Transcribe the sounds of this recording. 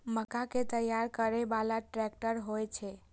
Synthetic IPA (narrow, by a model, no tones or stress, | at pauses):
məkaket̪əjaɾkəɾebalaʈɾɛk̚ʈəɾɦojt͡ʃʰɛ